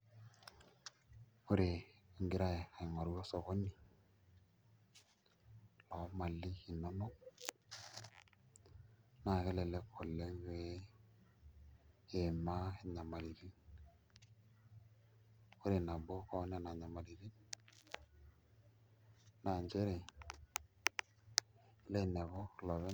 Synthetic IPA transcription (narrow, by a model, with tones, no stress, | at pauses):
o˦ɾe˨ŋɡi˨ɾa˦je˨ka˨i˨ŋa˨ɾu˦jo˦so˨ko˦nːi˨ | lɔ˨˦ma˨lːi˦ki˨nːo˦no˦k̚ | na˨ke˦le˨le˦kʰːo˨lːe˦ŋwe˦ | e˨ma˦ɪ˦ɲa˨ma˨li˨ɾi˦n | ko˦ɾe˨na˨bɔ˦kɔ˦n˦a˨na˨ɲa˨ma˨li˨ɾi˦n | na˨nd͡ʒe˦ɾɛ˨˦ | lɛ˦˨nɛ˨βɔ˦lɔ˨βɛ˦